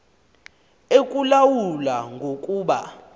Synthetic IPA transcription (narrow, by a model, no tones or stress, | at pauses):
ekʼulawulaŋɡʱokʼuːɓa